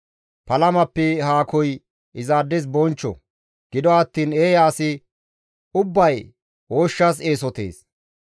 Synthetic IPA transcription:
pɐlɐmɐpːɛɦaːkɔj | ɪzaːd̪ːɛs̬bɔnt͡ʃːɔ̰ | ɡ̥ɪd̪ɔɐt̪ːiːneːjaːsɪ | ʊbːɐj | woːʃːɐs̬eːsɔt̪ḛːs

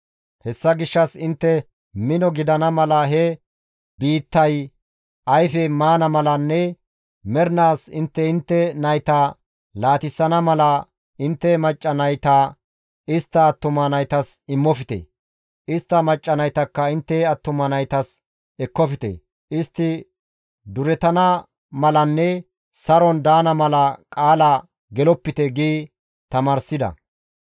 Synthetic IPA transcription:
hɛsːɐɡɪʃːɐsɪnt̪ːɛ | mɪnɔɡɪd̪ɐnɐmɐlɐɦɛ | biːt̪ːɐj | ʔɐjfɛmaːnɐmɐlɐnːɛ | mɛɾnaːsɪnt̪ːɛɪnt̪ːɛnɐjt̪aː | laːt̪ɪsːɐnɐmɐlɐ | ɪnt̪ːɛmɐt͡ʃʼːɐnɐjt̪aː | ɪst̪ːɐːt̪ːʊmɐnɐjt̪ɐsɪmːɔfɪt̪ɛ̰ | ʔɪst̪ːɐmɐt͡ʃʼːɐnɐjt̪ɐkːɐɪnt̪ːɛɐt̪ːʊmɐnɐjt̪ɐs | ɛkːɔfɪt̪ɛ̰ | ʔɪst̪ːɪ | d̪ʊɾɛt̪ɐnɐ | mɐlɐnːɛ | sɐɾɔnd̪aːnɐmɐlɐkʼaːlɐ | ɡɛlɔpːɪt̪ɛɡiː | t̪ɐmaːɾsɪd̪ɐ̰

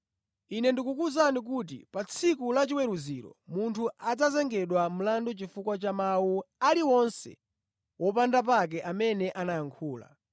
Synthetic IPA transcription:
inɛndikukuzanik̬uːt̬ḭpat͡sʰikulat͡ʃiwɛɾuziɾɔ̰muntʰuad͡zazɛŋɡɛɗwam̩landɔt͡ʃifukwat͡ʃamawualiwɔnsɛ̰ | wʔɔpandap̬ak̬ɛʔamɛnɛʔanajaŋkʰuːla̰

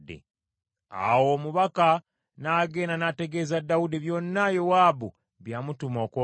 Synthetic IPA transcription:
dḭ | a̰wo̞ːmuβaka | naːɡe̞ːnanate̞ɡe̞ːzadːaudiβjo̞ːnːajowaːbṵ | βjamutumoːkwo

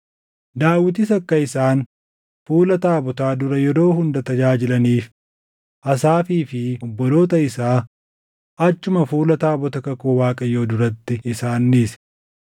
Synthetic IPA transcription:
d̪aːwɪt̪̬ɪs̬ɐkːɐɪsaːn | fuːlɐt̪aːbɔt̪aːd̪ʊɾɐjɛɾo̞ːhʊnd̪ɐt̪ɐd͡ʒaːd͡ʒɪlɐniːf | ʔɐsaːfiːfɪɔbːɔd̪o̞ːt̪ɐɪsaː | ʔɐt͡ʃːʊmɐfuːlɐt̪aːbɔt̪ɐkɐkoːwaːkʼɐjoːd̪ʊɾɐt̪ːɪɪsaːnːiːs

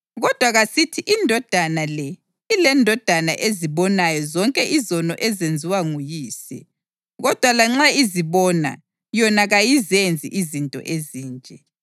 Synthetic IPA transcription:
ɣɔd̥ʱwaɣasitʰiʔindʱɔd̥ʱanalɛ | ilɛndʱɔd̥ʱanaʔeziβɔnajɔzɔŋkʼɛʔizɔnɔʔɛzend͡zʱiwaŋujiːsɛ̰ | ɣɔd̥ʱwalaŋ͡ǁaiziβɔna̰ | jɔnaɣajizend͡zʱḭʔizintʼɔ̰ʔeziːnd͡ʒʼʱɛ

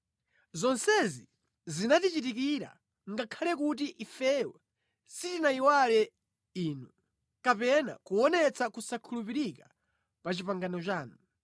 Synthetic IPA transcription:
zɔnsɛzi | zinatit͡ʃit̬ikiɾa̰ | ŋɡakʰalɛkut̬iʔifɛwɛ | sitinaiwalɛ | iːnu | kapɛna̰kuwɔnɛt͡sakusakʰulupiɾika | pat͡ʃipaŋɡanɔt͡ʃaːnu

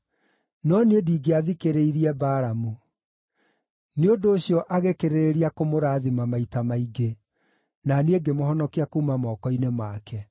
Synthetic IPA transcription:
nɔnediːɡeaðikeɾeiɾiɛbaːɾamo | neodoːɕiɔʔaɣekeɾeɾeɾiakomoɾaːðimamaitamaiɡe | naneeɡemoɦɔnɔkiakuːmamɔːkɔinemakɛ

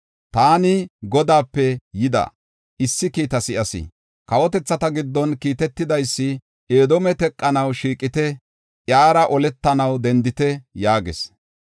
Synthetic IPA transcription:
t̪aːnɪɡɔd̪aːpːɛjɪd̪ɐ̰ | ʔɪsːɪkiːt̪ɐsɪʔɐsɪ̰ | kɐwɔt̪ɛt͡sːɐt̪ɐɡɪd̪ːɔnkiːt̪ɛt̪ːɪd̪ɐjsːɪ | ʔe̞ːd̪ɔmɛt̪ɛkʼːɐnɐwʃiːkʼːɪt̪ɛ | ʔjaːɾɐʔɔlɛt̪ːɐnɐwd̪ɛnd̪ɪt̪ɛjaːɡɛ̰s

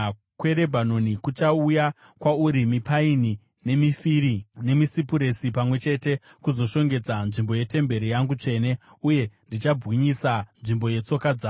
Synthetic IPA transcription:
kwe̞ɾe̞bʱano̞nikut͡ʃauja | kwauɾimipaini | ne̞mifiɾine̞misipuɾe̞sipamwe̞t͡ʃe̞te̞kuzo̞ʃo̞ŋɡe̞d͡zanʐimbo̞je̞te̞mbe̞ɾijaŋɡut͡ʂe̞ːne̞ | uje̞ndit͡ʃabɣiɲisanʐimbo̞je̞t͡so̞kad͡zaː

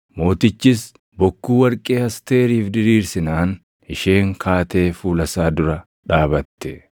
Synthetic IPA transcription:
mo̞ːt̪ɪt͡ʃːɪs | bɔkːuːwɐɾkʼe̞ːɐst̪e̞ːɾiːfd̪ɪɾiːɾsɪnaːn | ɪʃe̞ːŋkʰaːt̪e̞ːfuːlɐsaːd̪ʊɾɐ | ᶑaːbɐt̪ːɛ

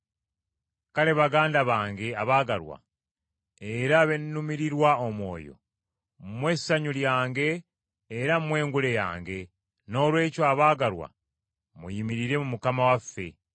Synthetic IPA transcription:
kale̞βaɡaːndaβaːŋɡe̞aβaːɡaɾwa̰ | eɾaβe̞nːumiɾiɾwaomwo̞̰ːjo̞̰ | mwe̞saɲuljaːŋɡe̞ː | ɾamwe̞ːŋɡule̞ja̰ːŋɡe̞ | no̞ːlwe̞ːcoaβaːɡaɾwa̰ | mṵjimiɾiɾe̞mumukamawafːe̞̰

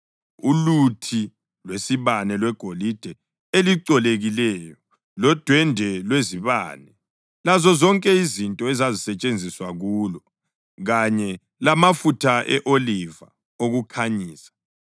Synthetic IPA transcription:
ulutʰi | lwesiβanɛlwɛɡ̥ʱolid̥ʱɛ | eliǀɔleɣilɛjɔ | lɔd̥ʱwɛndʱɛlweziβa̰ːnɛ | lazɔzɔŋkʼɛizintʼɔɛzazisɛt͡ʃʼend͡zʱiswaɣuːlɔ | ɣaɲɛ | lamafutʰaʔɛʔoliva̰ | oɣukʰaɲiːsḁ

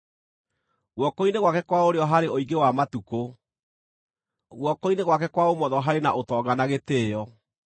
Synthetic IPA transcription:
ɣwɔkoineɣwakɛkwaoɾeɔɦaɾeoiɡewamatuko | ɣwɔkoineɣwakɛkwaomɔðɔɦaɾenaʔotɔːɡanaɣeteːjɔ

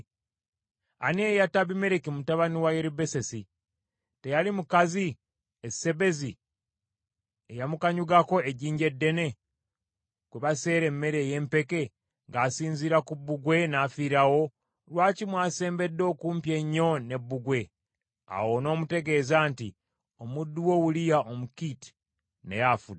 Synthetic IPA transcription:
a̰nejataβime̞ɾekimutaβaniwajeɾibe̞se̞si | te̞jalimukazi | esːe̞βe̞zi | ejamukaɲuɡako̞eɟiːɲɟe̞dːe̞ne̞ | kweβase̞ːɾe̞mːe̞ɾe̞ːje̞ːmpe̞ke̞ | ŋɡaːsiːɲziɾakubːuɡwe̞naːfiɾawo̞ | lwaːcimwaːse̞ːmbe̞dːo̞ːkuːmpje̞ɲːo̞ne̞bːuɡwe̞ | a̰wo̞no̞ːmute̞ɡe̞ːzaːnti | omudːuwo̞wulijaʔomukiti̥ | nḛjafud

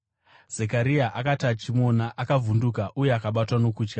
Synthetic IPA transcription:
z̥ekaɾiaʔakatat͡ʃimo̞naʔakavundukaʔuje̞akaɓatwano̞kuːt͡ʃka

